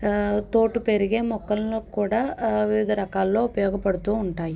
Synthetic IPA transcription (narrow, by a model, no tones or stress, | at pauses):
t̪o̞ːʈːupe̞ɾiɡeːmɔkːɐlokuːɽaːʋiʋid̪ʱɐɾɐkaːlːo̞ːupɐjɔːɡɐpɐɽut̪uːuɳʈaːji